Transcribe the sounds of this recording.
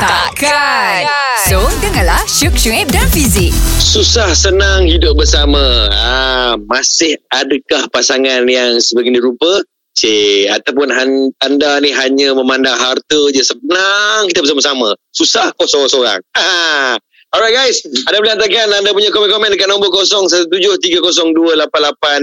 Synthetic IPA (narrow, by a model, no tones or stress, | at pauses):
t̪a | ka | sodəŋãnlahʃukʃuŋɛp̚danfizik̚susahsənaŋhidʊp̚bərsaməamasɪhadəkahpasaŋanjaŋsəbəɡiniɾupə | seat̪awpʊnɦant̪andaniɦaɲəməmandaŋɦart̪əd͡ʒəsənaŋkit̪əbəs̬aməsamasusahkosɔsoɾa̰ŋa | ɔɾaɡajsandabəlat̪̬akanandap̬uɲakɔmɛ̃nkɔmɛ̃nkaʔnɔŋmbʊkosɔŋsat̪ut̪ud͡ʒʊht̪iɡəkos̬ɔŋduəlapanlapan